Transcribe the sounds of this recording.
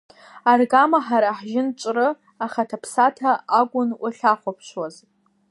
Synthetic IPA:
arɡamaħaɾaħʒɪnt͡ʃʷʼrɨ | aχatʰapʰsatʰaaɡʷʼʊnʔʷʊɬaχʷapʰʃʷwaz

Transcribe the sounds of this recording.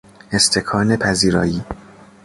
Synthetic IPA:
e̞st̪ʰe̞kʰɒːnepʰæziːɾɒ̰ːjiː

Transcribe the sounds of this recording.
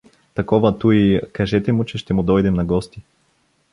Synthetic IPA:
t̪ɐkɔvat̪uikaʒɛt̪ɛmʊt͡ʃɛʃt̪ɛmʊd̪ɔjd̪ɛmnɐɡɔst̪i

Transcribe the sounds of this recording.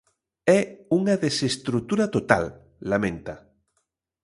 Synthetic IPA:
ɛuŋaðesest̪ɾut̪uɾat̪ot̪a̰lː | amẽnt̪a

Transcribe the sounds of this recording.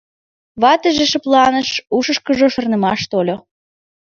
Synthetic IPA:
βɑt̪əʒeʃəplˠɑnə̆ʃuʃə̆ʃkəʒoʃə̆rnə̆mɑʃt̪olʲo

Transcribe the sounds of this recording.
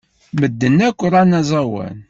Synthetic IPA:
məd̪ːənːækʷːəɾˤænæzˤɑwæ̰n

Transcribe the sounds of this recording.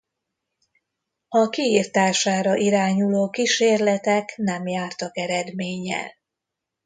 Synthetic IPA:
ɒkiirt̪aːʃaːɾɒʔiɾaːɲuloːkiʃeːrlɛt̪ɛknɛmjaːrt̪ɒkɛɾɛd̪meːɲɛ̰l

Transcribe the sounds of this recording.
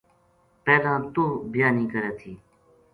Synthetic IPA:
peːd̪ãːt̪uːbɪjaːnĩːkəɾeːt̪ʰiː

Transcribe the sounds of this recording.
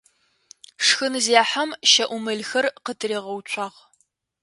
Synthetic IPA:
ʂxɨnɨziaːħɐmʃɐʔʷʊmɨɮxɐrqətʰɨreːʁɐwt͡ʃʷʰʼɑːʁ

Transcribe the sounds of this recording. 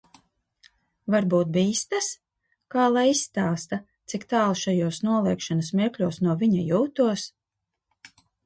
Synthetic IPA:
vaɾbuːt̪̚biːst̪as | kaːlˠajisːt̪aːst̪at̪sikt̪aːlˠʃajuɔsnuɔlˠiːkʃanasmʲiɛklʲuɔsnuɔviɲajuːt̪uɔs

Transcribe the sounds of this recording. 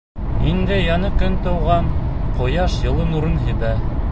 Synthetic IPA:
ind̪ɘjɑnɤkɵnt̪ɤ̆wʁɑnqŏjɑʃjɤ̆lˠɤnuɾɤnɦɘ̆βæ

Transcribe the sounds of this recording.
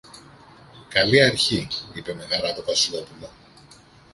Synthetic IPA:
kɐliɐɾçiipe̞me̞nɐɾɐt̪ovɐsilo̞pulo

